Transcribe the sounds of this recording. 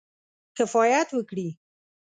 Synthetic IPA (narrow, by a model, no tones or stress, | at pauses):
kafɑjat̪wəkɽi